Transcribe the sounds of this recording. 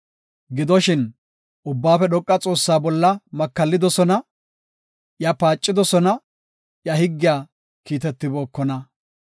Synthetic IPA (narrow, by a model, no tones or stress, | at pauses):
ɡɪd̪ɔʃɪn | ʊbːaːfɛɗɔkʼːɐt͡sʼo̞ːsːaːbɔlːɐmɐkːɐlːɪd̪ɔsɔnɐ | jɐpaːt͡ʃʼːɪd̪ɔsɔnɐ | jɐhɪɡːɪjaː | kiːt̪ɛt̪ːɪboːkːɔnɐ